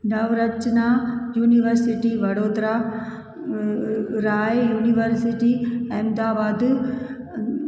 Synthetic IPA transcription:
nɐʋɾɐt͡ɕnajuːniʋəɾsɪʈiʋɐɽoːd̪ɾa | ɾaːjuːniʋəɾsiʈiɛmd̪aːbaːd̪

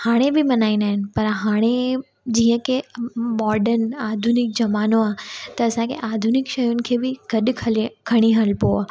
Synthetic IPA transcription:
haːɽ̃ebɪmɐnaːĩnd̪aːɦɪnɪ̆pɐɾɦaːɽ̃e | d͡ʑĩːə̃kʰemɔːɾɖənaːd̪ʱʊnɪk̚d͡ʑɐmaːnoaːt̪ɐːsãkʰḛʔaːd̪ʱʊnɪkʃɐjʊnɪ̆kʰeːbɪɡ̥ɐɗkʰkʰɐɽ̃iɦɐlpoaː

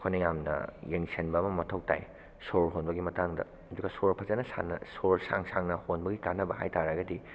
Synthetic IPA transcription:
kʰojnɐjamnɐ̰jeŋsʰenbɐːmɐmɐtʰɐwta̰j | soɾɦonbɐɡimɐtaŋdɐ̰ | ɐduɡɐsoɾpʰɐzɐnɐsa̰nɐ̰soɾsa̰ŋsaŋnɐhonbɐɡikanːɐbɐha̰jtaɾaɡɐdi

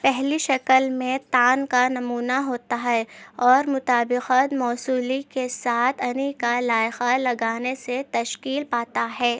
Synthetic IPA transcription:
pɛɦliʃɐkəlmẽt̪aːnkanɐmuːnaɦoːt̪aɦɛɔːɾmʊt̪aːbɪqət̪mɔːsuːlikesaːt̪ʰɐnikalaːjxalɐɡaːneset̪ɐʃkiːlpaːt̪aɦɛː

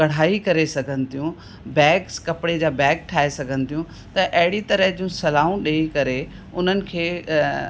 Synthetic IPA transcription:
kɐɽ̤aːikɐɾesɐɡʱənɪ̆t̪ijũ | bɛːkskɐpɪɽed͡ʑaːbɛːk̚ʈʰaːesɐɡʱənɪ̆t̪ijũ | t̪ɐʔɐɦɪɽit̪ɐɾəɦd͡ʑiũsɐlaːũɗeːikɐɾe | ʊn̤ənɪ̆kʰeː

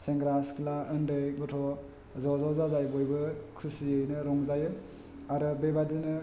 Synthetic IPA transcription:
seŋɡɾasklaɯndɯjɡɔtʰɔ | zɔzɔzazajbɔjbɯkʰusiɯjnɯɾɔŋzajɯ | aɾɯbebadinɯ

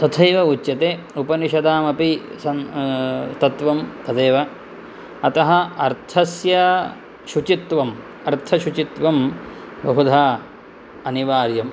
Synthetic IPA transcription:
t̪ɐt̪ʰɐjʋɐutːjɐt̪eː | upɐniʃɐd̪aːmɐpisɐn | t̪ɐt̪ʋɐmt̪ɐd̪eːʋɐ | ɐt̪ɐɦɐɐɾt̪ʰɐsjɐ | ʃut͡ʃit̪ʋɐm | ɐɾt̪ʰɐʃut͡ʃit̪ʋɐm | bɐɦud̪ʱaː | ɐniʋaːɾjɐm

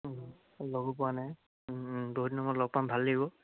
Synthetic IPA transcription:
loɡɔpɔanaj | boɦutnɔmɔlɔɡ̚pambʱalːebɔ

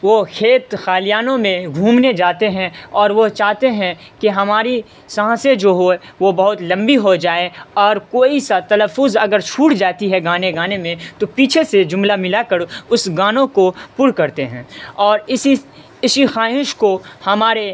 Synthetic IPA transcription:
ʋokʰeːt̪xaːlijaːnõmẽɡʱũːmned͡ʒaːt̪eɦɛ̃ɔːɾʋot͡ʃaːɦt̪eɦɛ̃ | kiɦɐmaːɾi | sãɦãsẽd͡ʒoːɦoɛʋobɐɦʊt̪lɐ̃mbiɦod͡ʒaːeɔːɾkoːisat̪ɐləfːʊzɐɡəɾt͡ʃʰuːʈd͡ʒaːt̪iɦɛɡaːneɡaːnemẽt̪opiːt͡ʃʰesed͡ʒʊmlamɪlakəɾʊsɡaːnõkopʊɾkɐɾt̪eɦɛ̃ːɔːɾɪsi | ɪsixaːɦɪʃkohɐmaːɾe

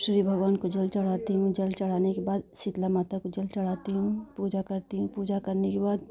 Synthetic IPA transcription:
ʃɾibʱɐɡʋaːnkod͡ʒɐlt͡ʃɐɽ̤aːt̪iɦũd͡ʒɐlt͡ʃɐɽ̤aːnekebaːd̪sɪt̪lamaːt̪akod͡ʒɐlt͡ʃɐɽ̤aːt̪iɦũpuːd͡ʒakɐɾt̪iɦũpuːd͡ʒakɐɾnekebaːd̪

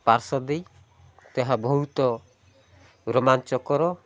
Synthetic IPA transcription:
paɾsɔd̪ej | t̪eɦabɔɦut̪ɔ | ɡɾɔmant͡ʃɔkɔɾɔ

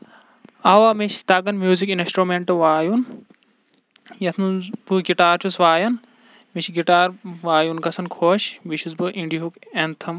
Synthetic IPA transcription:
aːʋaːmiʃt̪ɐɡɐnmjuːzikinsʈɾumeɳʈɨʋaːjun | jɐt̪ʰnubɨɡiʈaːɾt͡ʃusʋaːjɐn | mit͡ʃɡiʈaːɾʋaːjunkɐsɐnkʰoːʃbiʃʰusbɨʔĩɳɖiɦukent̪ʰɐm

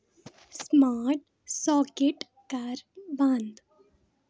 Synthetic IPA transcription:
smaːɾʈ | sɔːkeʈ | kaɾbãnd̪

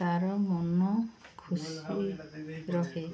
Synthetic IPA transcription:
aɾɔmɔnɔkʰusi | ɾɔɦe

